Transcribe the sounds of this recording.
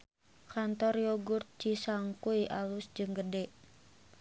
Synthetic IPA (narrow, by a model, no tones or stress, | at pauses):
kant̪ɔrjoɡurt̪̚t͡ʃisaŋkuiʔalusd͡ʒɨŋɡədɛʔ